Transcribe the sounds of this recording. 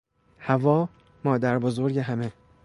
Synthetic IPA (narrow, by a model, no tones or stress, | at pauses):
hævɒː | mɒːd̪æɾbozo̞ɾɟeɦæme